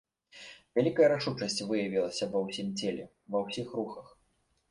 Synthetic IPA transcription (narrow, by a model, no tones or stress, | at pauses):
vʲalʲikɐjɐɾaʂut͡ʂɐsʲt͡sʲvɨjɐvʲilˠɐsʲɐvɐwsʲimt͡sʲelʲɛ̰ | vɐwsʲixruxɐx